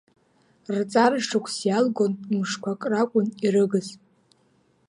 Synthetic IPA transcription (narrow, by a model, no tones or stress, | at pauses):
rt͡sʼarʂʈ͡ʂʰakʷʰsjalɡo̞nmɨʂkʷʰakʼrakʷʼʊniɾɨɡɨzʼ